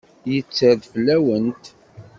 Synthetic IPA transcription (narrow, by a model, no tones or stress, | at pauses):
jət͡sːəðfəlːæwənt̪